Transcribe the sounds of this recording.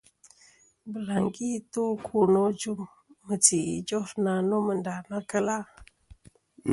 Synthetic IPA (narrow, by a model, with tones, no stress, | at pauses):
bə˨la˨ŋɡi˦tu˦kʰu˨no˦d͡ʒu˦ŋ | mə˨ti˨ḭ˨d͡ʒo˦ɾna˨no˦mə˨nda˨na˦kə˦la˦